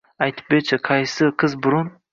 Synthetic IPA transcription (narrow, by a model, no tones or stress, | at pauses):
ajt̪ʰp̚bet͡ʃʰɪqʰɑjsɨqʰɨzbʊɾʊn